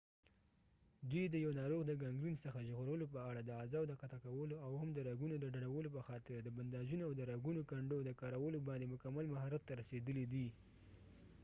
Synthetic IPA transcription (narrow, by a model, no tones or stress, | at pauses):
d̪ujd̪əjawnɑɾoɣd̪əɡaŋɡɾinsəxaʒɣoɾəlopəaɽad̪əazɑwd̪əqat̪akawəloawhamd̪əɾaɡunod̪əɖaɽawəlop̬əxɑt̪ɪɾd̪əband̪ɑd͡ʒunoawd̪əɾaɡunokaɳɖod̪əkɑɾawəlobɑnd̪emʊkamːalmaɦɑɾat̪ːaɾased̪əlid̪i